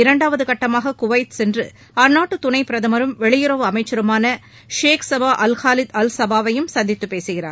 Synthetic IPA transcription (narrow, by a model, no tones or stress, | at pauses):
ɪɾɐɳɖaːʋɐðɯkɐʈːɐmaːɣɐkʊʋɐɪt̪sɛndrɯ | ɐɾnaːʈːɯt̪ʊnɐɪpɪɾɐðɐmɐɾɯmʋɛɭɪjɪɾɐʋɯɐmɐɪt͡ʃːɐɾɯmaːnɐ | ʂeːksɐbaːʔɐlxaːlɪd̪ɐlsɐbaːʋɐjɯmsɐnd̪ɪt̪ːɯpːeːsɯɣɪraːɾ